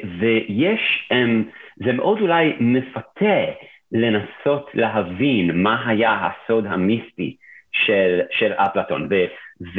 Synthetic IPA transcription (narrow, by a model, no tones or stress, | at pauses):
vejeʃhemzemeʔo̞dulajmefatʰe | le̞naso̞tʰleɦavinmaɦajaɦa̰so̞d̪ɦamispḭʃelʃela̰plat̪o̞̰nvez